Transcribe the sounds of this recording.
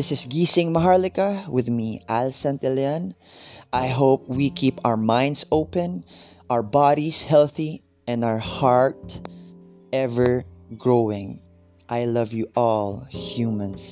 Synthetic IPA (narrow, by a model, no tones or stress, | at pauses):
ɪsɪsɡisɪ̃ŋmaɦaɹlɪkawɪðmiʔalsãnt̪ɛlɛãn | ʔajɦoʊp̚wikʰiːpaʊwə˞mãj̃ndsoʊpɛ̃n | ʔawə˞bɑɾishɛlˠθi | ɛ̃nawə˞hɑɹt̪̚ | ʔɛvə˞ɡɹowɪ̃ŋ | ʔajlʌvjuʔɔlhjumãns